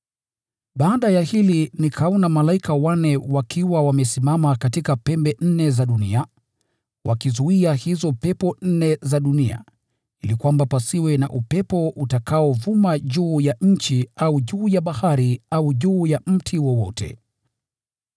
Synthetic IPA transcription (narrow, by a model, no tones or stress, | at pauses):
ɓaaɗajahilinikʰaɔnamalaikawanɛwakʰiwawamɛsimamakatikapɛmbɛn̩nɛzaɗunḭa | wʔa̰kizuiahizɔpɛpɔn̩nɛzaɗunia̰ | ilikwambapasiwɛna̰ʔupɛpɔʔutakaɔvumaʄuːjaɲ̩t͡ʃiauʄuːjaɓahaɾiauʄuːjam̩tʰiwɔwɔ̰tʰɛ̰